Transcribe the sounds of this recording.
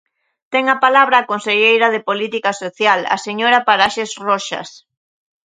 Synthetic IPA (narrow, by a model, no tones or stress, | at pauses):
t̪ɛŋapalaβɾaːkonseʎejɾað̞epolit̪ikasoθjala̰seɲoɾapaɾaʃesrɔʃɐ̰s